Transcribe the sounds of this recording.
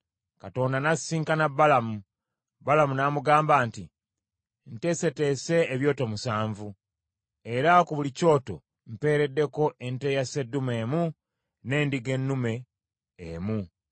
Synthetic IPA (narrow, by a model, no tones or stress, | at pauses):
kato̞ːndanasiːŋkanabːalamu | balamunamuɡaːmbaːnti | nte̞se̞te̞se̞ːβjo̞ːtomusaːɱvu | e̞ɾakuβulico̞ːto̞ | m̩pe̞ːɾe̞dːe̞ko̞ʔe̞nte̞ːjase̞dːume̞ːmu | ne̞ːndiɡe̞nːume̞ː | mu